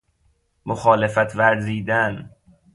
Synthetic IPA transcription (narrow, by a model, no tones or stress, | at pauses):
moxɒːle̞fæt̪ʰvæɾziːd̪æn